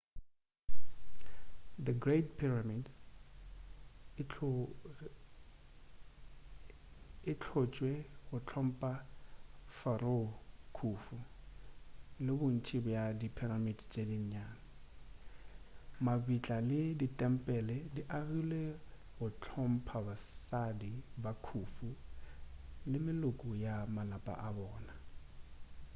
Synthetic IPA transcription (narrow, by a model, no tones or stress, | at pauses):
d̪əɡretpʰiramid | ɪt͡ɬʰɔt͡ʃʼwɛɣʊt͡ɬʰɔm̩pʼa | faɾokʰufu | lɪbʊn̩tʰibɔjadipʰiramidt͡ʃʼediɲ̩ɲaːna | mabit͡ɬʼalɪditʼɛm̩pʼɛlɛdiʔaɣilɛ | ɣʊt͡ɬʰɔm̩pʰabasadibakʰuːfu | lɪmɪlʊkʼʊjamalapʼa̰ʔabɔːna